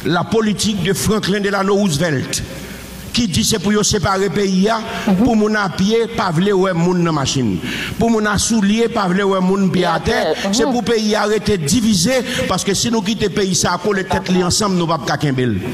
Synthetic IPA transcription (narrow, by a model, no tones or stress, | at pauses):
lapolitik̚d̪øfʁãklɛ̃d̪elanouzvɛlt̪ | kid͡zisepujosepaɣepeijapumũnapjepavlewɛmũnːɐ̃maʃḭ̃npumũnasuljepavlewɛmũnpjeat̪ɛsepupeiaɣet̪ed͡zivizepaskøsinũk̬it̪epeisakolet̪ɛt̪liɐ̃sʌ̃bnũpap̚kakɛ̃bel